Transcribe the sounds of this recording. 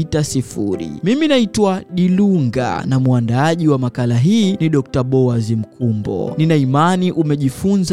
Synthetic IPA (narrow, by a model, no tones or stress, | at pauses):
tasifṵɾḭmiminaitwaɗiluŋɡa̰namwandaaʄiwamakalaɦiːniɗɔk̚taɓɔazim̩kumbɔ̰ninaimaniʔumɛʄifunz